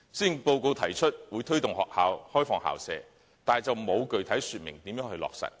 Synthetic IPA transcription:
siː˥˩npo˧wko˧wt̪ʰɐ˨˩jt͡ʃʰɵ˥t̚wuː˨˧jt̪ʰɵ˥ɥt̪ʊ˨ŋhɔ̰ː˨k̚haː˨whɔː˥jfɔː˧ŋha̰ː˨wsɛ̰ː˨˧ | t̪aː˨t͡sɐ˨wmo˨˧wkɵ˨ɥt̪ʰɐ˨˥jsyː˨t̚mɪ˨˩ŋt̪iː˨˥mjœː˨˥ŋɦɵ˧jlɔ̰ː˨k̚sɐ̰˨t̚

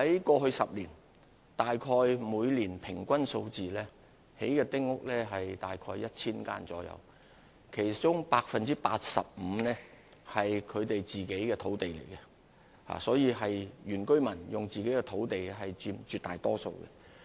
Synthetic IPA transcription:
hɐ˨˥jkɔː˧ɦɵ˧ɥsɐ˨p̚liː˨˩n | t̪aː˨jkʰɔː˧jmuː˨˧jliː˨˩npʰɪ˨˩ŋkʷɐ˥nso˧wt͡siː˨lɛː˥ | he˨˥jkɛː˧t̪ɪ˥ŋ̚ŋʊ˥k̚lɛː˥ɦɐ˨jt̪aː˨jkʰɔː˧jɐ˥t̚t͡sʰiː˥nka̰ː˥nt͡sɔ̰ː˨˥jɐ̰˨˧w | kʰe˨˩jt͡sʊ˥ŋpaː˧k̚fɐ˨nt͡siː˥pa̰ː˧t̚sɐ̰˨p̚m̩˨˧nɛː˥ | hɐ˨jkʰɵ˨˧ɥt̪e˨jt͡siː˨ke˨˥jkɛː˧t̪ʰo˨˥wt̪e˨jlḛ˨˩jkɛ˧ | ha̰ː˨sɔː˨˥jiː˧ɦɐ˨jjyː˨˩nkɵ˥ɥmɐ˨˩njʊ˨ŋt͡siː˨ke˨˥jkɛ˧t̪ʰo˨˥wt̪e˨jɦɐ˨jt͡ʃyː˧mt͡ʃyː˧t̪aː˨jt̪ɔː˥so̰˧wkɛ̰˧

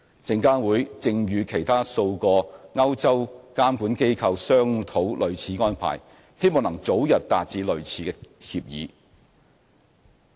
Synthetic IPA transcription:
t͡sɪ˨˧ŋkaː˥nwuː˨˥jt͡sɪ˧ŋjyː˨˧kʰe˨˩jt̪ʰaː˥so˧wkɔː˧ŋɐ˥wt͡sɐ˥wkaː˥mkuː˨˥nke˥jkʰɐ˧wsœː˥ŋt̪ʰo˨˥wlʔɵ˨ɥt͡sʰiː˨˥ŋɔː˥npʰa̰ː˨˩j | he˥jmɔː˨˩ŋnɐ˨˩ŋt͡so˨˥wjɐ˨t̚t̪a̰ː˨t̚t͡siː˨˥lɵ˨˩ɥt͡sʰiː˨kɛː˧hi˧p̚jḭː˨˥

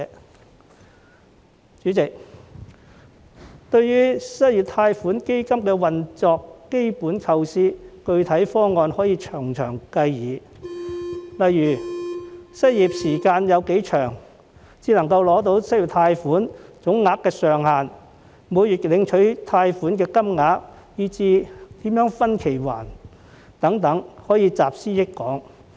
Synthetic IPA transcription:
t͡ʃyː˨˥t͡sɪ˨k̚ | t̪ɵ˧ɥjyː˥sɐ˥t̚jyː˨˩t̪ʰaː˧jfuː˨˥nke˥jkɐ˥mkɛː˧wɐ˨nt͡sɔː˨˧kːe˥jpuː˨˥nkʰɐ˧wsiː˥kɵ˧ɥt̪ʰɐ˨˥jfɔː˥ŋɔː˨˧nhɔː˨˥jiː˧t͡ʃʰœː˨˩ŋt͡ʃʰœː˨˩ŋkɐ˧jjiː˨˧ | lɐ˨jɥyː˨˩ | sɐ˥t̚jiː˨p̚siː˨˩kaː˧njɐ˨˧wke˨˥jt͡ʃʰœː˨˩ŋ | t͡siː˧lɐ˨˩ŋkɐ˧wlɔː˨˥t̪o˨˥wsɐ˥jːt̪ʰaː˧jfuː˨˥nt͡sʊ˨˥ŋːaː˧˥kːɛː˧sœː˨ŋhaː˨n | muː˨˧jyː˨t̚lɪ˨˧ŋt͡ʃʰɵ˨˥ɥt̪ʰaː˧jfuː˨˥nkɛː˧kɐ˥mŋaː˨˥k̚ | jiː˧t͡siː˧t̪iː˨˥mjœː˨˥ŋfɐ˥nkʰe˨˩jwa̰ː˨˩n | t̪ɐ˨˥ŋt̪ɐ˨˥ŋhɔː˨˥jiː˨˧t͡saː˨p̚siː˥jɪ˥kkːɔː˨˥ŋ

